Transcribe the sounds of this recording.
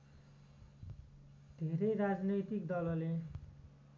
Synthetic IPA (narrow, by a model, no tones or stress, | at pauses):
d̪̥ʱeɾʌjɾad͡znʌjt̪ikd̪ʌlʌle